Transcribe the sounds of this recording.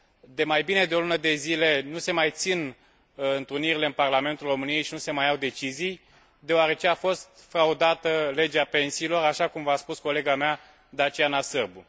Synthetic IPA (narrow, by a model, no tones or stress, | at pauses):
d̪e̞majbine̞d̪eo̞lunəd̪e̞zile̞nuse̞majt̪sin | ɨnt̪ɨniɾileɨnparlame̞nt̪ulro̞mɨnijejʃinuse̞majawd̪e̞t͡ʃizij | d̪e̞oaɾe̞t͡ʃe̞afo̞st̪fɾaud̪at̪əle̞d͡ʒeape̞nsiːlo̞ɾaʃakumvaspusko̞le̞ɡamea | d̪at͡ʃeanasɨrbu